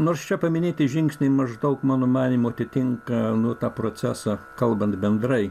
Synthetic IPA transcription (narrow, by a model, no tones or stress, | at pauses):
noːrst͡ʃʲɛpɐmʲɪnʲeːt̪ʲɪʒʲɪŋksʲnʲɛɪmɐʒd̪ɐʊkmɑːnoːmɑːnʲiːmuɐt̪ʲɪt̪ʲɪŋkɐnuɔt̪ɑːpɾoːt͡ssʲæːsɑkɐlˠbɐnt̪bʲɛnd̪rɐɪ